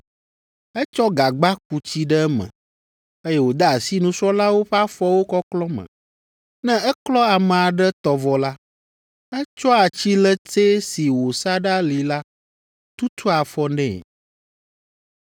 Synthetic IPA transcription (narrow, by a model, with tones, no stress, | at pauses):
ɛ˦t͡ʃɔ˦ɡa˨ɡ͡ba˦k̚u˨t͡ɕi˦ɖɛ˦ɛ˦mɛ̰̃˨ | e˦jɛ˦wo˨d̪a˦a˨si˦nũ˦sɔ˦la˦wo˦ɸa˦fɔ˦wo˦kɔ˦klɔ˦mɛ̰̃˨ | nɛ̃˦ɛ˦klɔ˦a˨mɛ̃˨a˨ɖɛ˦t̪ɔ˨vɔ˨la˦ | ɛ˦t͡ʃɔ˦a˨t͡ɕi˦lɛ˦te˦si˨wo˨sa˦ɖa˦li˨la˦ | t̪u˦t̪ʰu˦a˨fɔ˦nɛ̰̃˦˨